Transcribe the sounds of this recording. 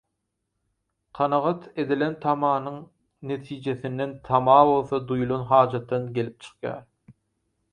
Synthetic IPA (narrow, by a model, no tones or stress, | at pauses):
qʰɑnɑʁɑt̪ʰe̞d̪ilent̪ʰɑmɑːnɯŋ | ne̞t̪ʰiːd͡ʒe̞θinːent̪ʰɑmɑːβo̞lˠθɑd̪ujulˠonɦɑːd͡ʒɑt̪ːɑnɡʲe̞lʲip̚t͡ʃʰɯ̥ɨ̥qjɑ̰ːɾ